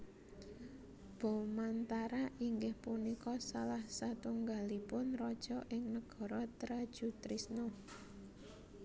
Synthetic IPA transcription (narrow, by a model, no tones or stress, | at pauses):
b̥ɔ̤mant̪aɾaʔiŋɡɪhpunikɔsalahsat̪uŋɡalipʊnrɔd̥ʒ̥ɔ̤ʔɪŋnəɡ̥ɔ̤ɾɔt̪ɾad̥ʒ̥ṳt̪ɾisno